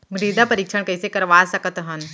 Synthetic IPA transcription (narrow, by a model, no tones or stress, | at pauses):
ɡɾiːd̪apɐɾiːkʃʰəɳ̃kɐisekɐɾʋaːsɐkət̪ɦɐn